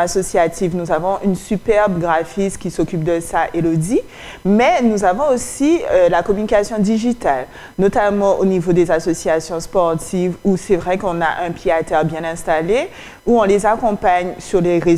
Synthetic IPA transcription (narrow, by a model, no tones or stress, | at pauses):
asɔsjat̪ʰivnuzavɔ̃ʔynsypɛʁbɡʁafiskʲisokʲyp̚d̪əsaʔelod̪i | mɛnuzavɔ̃osiølakɔmynikasjɔ̃d̪iʒit̪al | not̪amɑ̃ʔonivod̪ezasɔsjasjɔ̃spɔʁt̪ʰivusɛvʁɛkɔ̃na̰ʔɛ̃pjeat̪ɛʁbjɛ̃nɛ̃st̪ale | uɔ̃lezakɔ̃paɲsyʁleʁe